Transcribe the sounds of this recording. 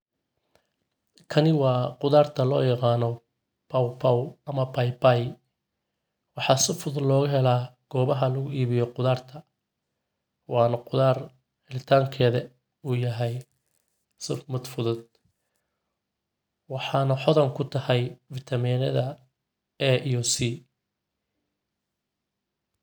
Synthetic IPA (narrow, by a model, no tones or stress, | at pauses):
kʰɐnɪwɑːqʊðaːrt̪ʰɐlɔ̰ːjɑqɑːnɔ | pʰɐwpʰawɐmɐbʰajbaj | wɑħɑːsɪfʊðʊlɔːɣʊɦɛlaːɡ̥ɔːβɐɦɐlɐɣʊiːβɪjɔqʊðaːrt̪ʰɐ | wɑːnɐqʊðaːr | ħɪlɪt̪ʰaːŋkʰɛːðɐ | uːjɐɦɛj | sʊfmʊd̪fʊðʊd̪̚ | wɑħɑːnɐħɔðɐŋkʰʊt̪ʰɐhɛjfɪt̪ʰɐmiːnɐ̰ðɐ | ɛʔiɔsi